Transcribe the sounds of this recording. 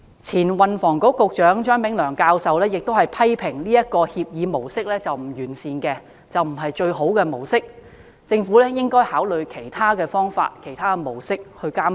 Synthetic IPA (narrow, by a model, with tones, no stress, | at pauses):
t͡sʰiː˨˩nwɐ˨nfɔː˨˩ŋkʊ˨˥kːʊ˨˧k̚t͡ʃœː˨˥ŋt͡ʃœː˥ŋpɪ˨˥ŋlœː˨˩ŋkaː˧wsɐ˨wlɛː˥jɪ˨k̚t̪o˥whɐ˨jpʰɐ˥jpʰɪ˨˩ŋliː˥jɐ˥t̚kɔː˧hiː˧p̚jiː˨˧mo˨˩wsɪ˥k̚lɛː˥t͡sɐ˨wm̩˨˩jyː˨˩nsiː˨nkɛː˧ | t͡sɐ˨wm̩˨˩ɦɐ˨jt͡ʃɵ˧ɥɦo˨˥wkɛː˧mo˨˩wsɪ˥k̚ | t͡sɪ˧ŋfuː˨˥lɛː˥jɪ˥ŋkɔː˥jhaː˨˥wlɵ˨ɥkʰe˨˩jt̪ʰaː˥kɛː˧fɔː˥ŋfa̰ː˧t̚kʰe˨˩jt̪ʰaː˥kɛ˧mo˨˩wsɪ˥k̚hɵ˧ɥkaː˥m